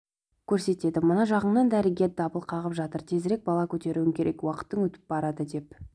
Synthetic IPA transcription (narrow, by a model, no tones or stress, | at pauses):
kʲʰɵɾse̞t̪e̞d̪ɪmənɑʒɑʁəɴnɑnd̪æɾɪɡʲe̞ɾd̪ɑbəlˠqʰɑʁəpʒɑt̪əɾt̪ʰe̞zɾe̞k̚bɑlˠɑkʲʰɵt̪e̞ɾuwɪŋkʲʰe̞ɾʔe̞kwɑqə̥t̪ːəŋwɵt̪ɪ̥p̚bɑɾɑd̪əd̪e̞p